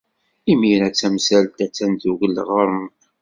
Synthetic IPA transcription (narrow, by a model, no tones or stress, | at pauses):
iminæt͡sːæmsælt̪æt͡sːænðuʝəlːʁɾˤən